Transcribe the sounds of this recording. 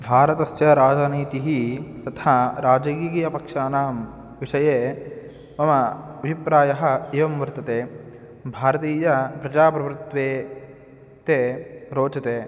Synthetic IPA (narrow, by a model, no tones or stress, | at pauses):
bʱaːɾɐt̪ɐsjɐɾaːd͡ʒɐniːt̪iɦit̪ɐt̪ʰaːɾaːd͡ʒɐkiːkiːjɐpɐkʂaːnaːm | ʋiʂɐjeː | mɐmɐɐbʱipɾaːjɐɦɐ̆iʋɐmʋɐɾt̪ɐt̪eː | bʱaːɾɐt̪iːjɐpɾɐd͡ʒaːpɾɐʋɾut̪ʋeː | t̪eːɾoːt͡ʃɐt̪eː